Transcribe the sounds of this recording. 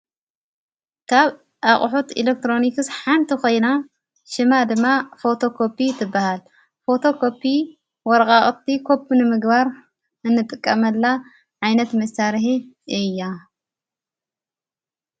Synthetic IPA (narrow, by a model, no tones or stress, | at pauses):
kʰaβ | ʔaχʼħut̪ḭlek̚t̪ɾo̞nikɨsħant̪ʰikʰo̞jna | ʃɨmad̪ɨmːafo̞t̪ʰo̞kʰo̞pʰit̪ʰɨbːahal | fo̞t̪ʰo̞kʰo̞pʰːi | wɔɾɐkʼaχʼt̪ʰːikʰo̞pʰːunɨmɨɡbaɾ | ɨnːɨt̪ʼɨkʼːɐmɐlːa | ʕajnɐt̪mɐsaɾħi | ʔɨjːa